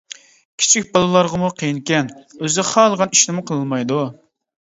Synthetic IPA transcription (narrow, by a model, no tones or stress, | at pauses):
kʲʰi̥t͡ʃʰik̚ʲbɑlˠɨlˠɑɾʁɑmuqʰejinkʲɛnøzχɑːlˠəʁɑniʃnɪmʊqʰəlˠɨlmɑjd̪u